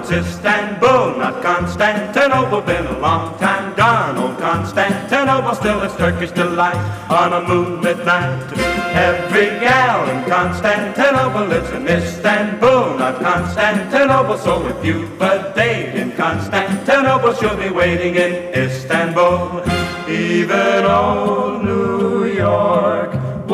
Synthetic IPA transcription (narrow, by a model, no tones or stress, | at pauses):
sɪstæ̃nbolˠnə̰t̚kʰɑ̃nstæ̃ntʰɨnoʊbəbɨ̃nəlɔ̃ŋtʰãɪ̃mdɑnoʊlˠkʰɑ̃nstæ̃ntʰɨnoʊbəstɪlˠɨtʰɜ˞kɨʃd̥ɪlaɪɾn̩əmũnɨtⁿnaɪtʰɨbiɛvɹiɛlˠɨ̃nkʰɑ̃nstæ̃ntʰɨnoʊbə˞lɪsɨ̃mɪstæ̃nbolˠnət̚kʰɑ̃nstæ̃ntʰɨnoʊbəsoʊlˠɨθjʉbʌd̥ẽɪkɨ̃nkʰɑ̃nstæ̃ntʰɨnoʊbəʃɨbiweɪɾɪ̃ŋɪ̃n | ɪstæ̃nbolˠ | ivɨ̃nɔlnujɔɹk